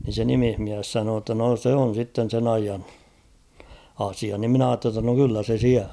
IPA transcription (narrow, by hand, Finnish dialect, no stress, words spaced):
ni se nimihmiæs sɑnoː tːɑ no se on̞ sitːen̞ sen ɑijɑn̞ ɑsiɑ nim mĭn ɑːtːe tːɑ no kylːæ se siæl